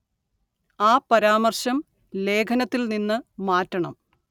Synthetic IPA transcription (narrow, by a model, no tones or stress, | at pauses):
aːpɐɾaːmɐrɕɐm | le̞ːkʰɐnɐt̪ːilninːɨmaːtːɐɳɐ̰m